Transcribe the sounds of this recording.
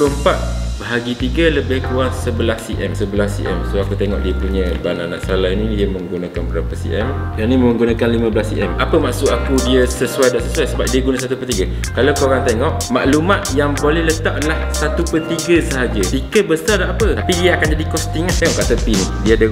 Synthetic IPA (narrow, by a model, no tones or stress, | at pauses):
bəəmpat̪̚bəɦaɡit̪iɡələbɪhkuasəbəlasiʔɛmsəbəlasḭʔɛ̰msoakut̪eŋɔ̰ʔ̚diəpuɲə̃banana̰ʔsəlalainĩdiəməŋɡunakanbəɾapəsḭʔɛm | danĩməŋɡunãkanlimãbəlasiʔɛmapəmaʔsʊʔ̪akudiəsəsuwajdaʔsəsuajsəbap̚diəɡunas̬at̪upərt̪iɡə | kalawkəoɾaŋt̪eŋɔʔmaʔlumat̪̚jaŋbolɛhlət̪aʔ̚adəlahsat̪upərt̪iɡəsəɦad͡ʒəsikəbəsardaʔapət̪apidiəakand͡ʒadikɔst̪iŋat̪eŋɔʔkaʔt̪əpinidiadə